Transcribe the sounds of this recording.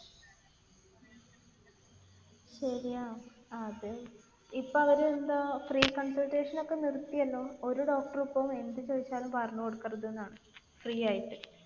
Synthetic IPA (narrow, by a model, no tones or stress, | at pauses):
ɕɐɾijaːm | ɐðɨ | ipːoɐʋɐɾeend̪afriːkɐnsɐlʈe̞ːʂɐno̞kːe̞nirt̪ːijɐlːo̞ːoɾuɖo̞ːk̚ʈɐrupːɐme̞nd̪ɨt͡ɕo̞ːðit͡ɕːaːlumpɐrɐɳːɐkoɽukːɐrɐðenːaːɳɨ | friːaːjiʈːɨ